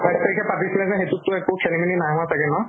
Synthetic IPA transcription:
bʰastaikʰɛpatislɛzɛxetutːʊɛkʊkʰɛnibininaɦatʰakɛnɔ

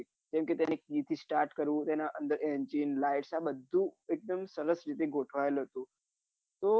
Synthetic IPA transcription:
d͡ʒɛ̃mkit̪janekit̪ʰiːsʈaɾʈkəɾũːt̪anaʔənd̪əɾend͡ʒinlajʈsabəd̪ʱːũek̚d̪əmsəɾəsɾit̪eɡʱoʈʰʋajlɦət̪u | t̪o

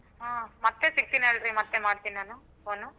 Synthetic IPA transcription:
ɦaːmɐt̪ːesik̚t̪ineːɭɾimɐt̪ːemaːɽt̪inaːnu | oːnu

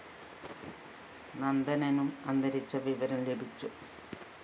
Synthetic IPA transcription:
nɐnd̪ɐnɐnumɐnd̪ɐɾit͡ɕːɐʋiʋɐɾɐmlebʱit͡ɕːu

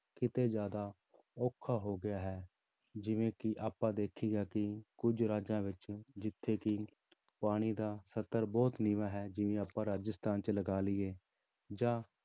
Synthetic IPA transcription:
kɪt̪eːd͡ʒjaːd̪aː | ɔːkʰːaːɦoːɡɪjaːɦɛː | d͡ʒɪʋẽːkɪʔaːpːãːd̪eːkʰːiːɡaːkɪkʊd͡ʒɾaːd͡ʒãːʋɪt͡ʃd͡ʒɪt̪ʰːeːkɪ | paːɽ̃iːd̪aːsət̪əɾbɔːt̪niːʋãːɦɛːd͡ʒɪʋẽːaːpãːɾaːd͡ʒəst̪aːnt͡ʃələɡaːlɪːeː | d͡ʒãː

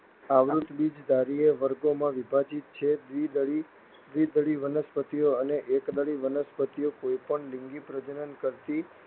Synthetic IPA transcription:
aʋɾut̪bid͡ʒd̪aɾieʋəɾɡomãʋibʱad͡ʒit̪̚t͡ʃʰed̪ʋid̪əɭi | d̪ʋid̪əɭiʋənəspət̪ijoəneʔekd̪əɭiʋənəspət̪ijokojpəɳlĩŋɡipɾəd͡ʒənənkəɾt̪i

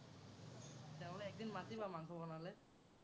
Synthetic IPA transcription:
tɛ̃lɛːk̚d̪inmatibamaŋkʰɔbɔnalɛ

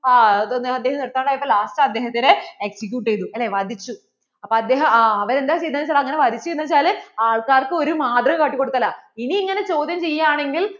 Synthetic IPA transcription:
aːɐd̪ːeɦɐmniɽɐt̪ːaːɳɖaːjipːoːlaːsʈaɐd̪ːe̞ːɦɐt̪ːineeksik̬ʲjuːʈːejt̪ːuelːeʋɐd̪ʱit͡ɕːu | ɐpːoːɐd̪ːe̞ːɦɐmaɐʋɐɾe̞nd̪aːt͡ɕe̞jt̪ːaːɐt͡ɕːaːlɐŋːɐne̞ʋɐd̪ʱit͡ɕːejnɐt͡ɕːaːlaːɭkaːrkɨoɾumaːd̪rɐkɐʈːikːoɽut̪ːɐlːɐiniːŋːɐne̞t͡ɕo̞ːd̪ʱjɐmt͡ɕe̞jːaːɳe̞ŋɡil

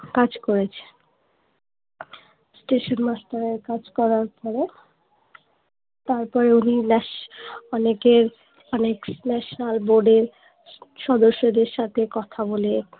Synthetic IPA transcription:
kad͡ʑkoɾet͡ɕʰe̥ | sʈeʃonmasʈ̪aɾeɾkad͡ʑkɔɾaɾpɔɾe | t̪aɾpɔɾeuninɛ | ɔnekeɾ | ɔneknɛʃonalboɾɖeɾ | ʃɔd̪oʃːod̪eɾʃat̪ʰekɔt̪ʰabole

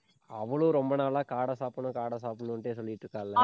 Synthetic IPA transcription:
ɐʋɐɭuɾɔmbɐnaːlaːkaːɽɐsaːpunɐkaːɽɐsaːp̬unuuɳʈeːsoliːʈːukaːlːa

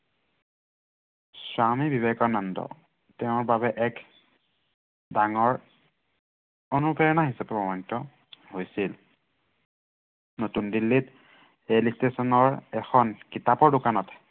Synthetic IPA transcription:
swamibibekɔnɔndɔ̰ | tɛʊ̃ɹbabɛʔɛk | daŋɔɹ | onupɛɹɔnaɦisapɛbɔmɔntɔ | hojsil | notundilːit | elistesɔnɔɹɛxʰɔnkitapɔɹdokanɔt

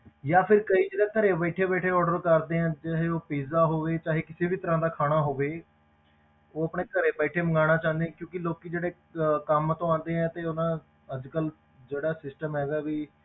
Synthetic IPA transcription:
jaːpʰɪɾkəiːd͡ʒeːɽaːkəɾeːbəiʈʰeːbɛːʈʰeːɔːɖəɾkəɾd̪eːɛ̃ːt͡ʃaːɦeːoːpeːzaːɦoːʋeːt͡ʃaːɦeːkɪseːbʱiːt̪əɾãːd̪aːkʰaːɽ̃aːɦoːʋeː | oːəpɽ̃eːkəɾeːbəiʈʰeːməŋɡaːɽ̃aːt͡ʃãːnd̪eɛ̃ːkjõːkɪloːkid͡ʒeːɽeː | kəmt̪õːãːnd̪eːɛ̃ːt̪eːʊnãː | əd͡ʒkəl | d͡ʒeːɽaːsɪsʈəmɦɛːɡaːʋiː

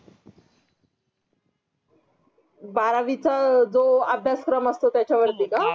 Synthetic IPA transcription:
baɾaʋit͡sad͡zoabʱjaskɾəməst̪ot̪jat͡ɕʰaʋəɾt̪ika

